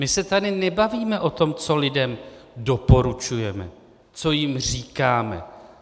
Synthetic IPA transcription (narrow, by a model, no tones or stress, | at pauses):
mɪsɛt̪adɪnɛbaviːmɛʔo̞t̪o̞mt͡so̞lɪdɛmdo̞po̞ɾut͡ʃujɛmɛ̰ | t͡so̞jɪmr̝iːkaːmɛ̰